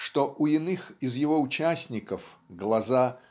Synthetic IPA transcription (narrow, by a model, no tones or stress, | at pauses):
ʂt̪oʔʊɪnɨxɪzjɪvo̞ʊt͡ɕæsʲnʲɪkəfɡlˠɐza